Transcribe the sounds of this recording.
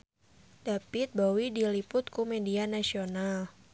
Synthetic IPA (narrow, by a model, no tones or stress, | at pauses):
d̥apɪt̪̚bawidilipʊt̪̚kumedianasional